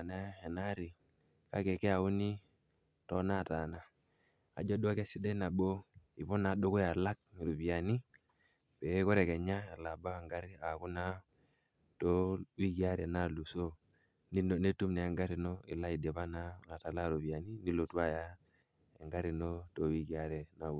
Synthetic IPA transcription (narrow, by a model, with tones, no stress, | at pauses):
na˦ɛ˨na˦ɾi˨ | ka̰˦ke˨kɛ˦a˨u˦ni˦ | tɔ˦na˦˨ta˨na˦ | a̰˨d͡ʒo˦du˦a˦ke˦si˦de˦na˨bo˦i˨βɔ˦na˨do˦ko˦ja˨la˦k̚ɾu˨bi˨a˨ni˦ | pɛ˨˦kɔ˦ɾɛ˨kɛ˨ɲa˦e˨la˨ba˦˨ŋɡa˦ɾi˦a˨ku˦na˦ | to˦wi˦ɡi˦a˦ɾɛ˨na˦lu˨so˦ | n˦˨ne˦tu˦mnɛ˨ŋɡa˦ɾi˨no˦ḭ˨la˦i˨de˨βa˦na˦ŋa˨ta˨la˦˨ɾu˨bi˨a˨ni˦ni˦lo˨tu˦a˦ja˦ | ḛ˨ŋɡa˦ɾi˨no˦to˨˦wi˦ɡi˨a˦ɾɛ˨na˨u˨